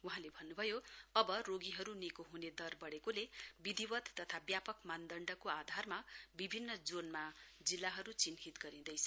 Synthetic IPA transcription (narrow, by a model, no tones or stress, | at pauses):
wuɦãlebʱʌnːubʱʌjoʌbʌroɡiɦʌɾunikoɦuned̪ʌrbʌɽekolebid̪ibʌt̪t̪ʌt̪ʰabjapʌkmand̪ʌɳɖʌkoad̪ʱarmabibʱinːʌd͡zonmad͡zilːaɦʌɾut͡sinɦit̪ɡʌɾĩd̪ʌjt͡sʰʌ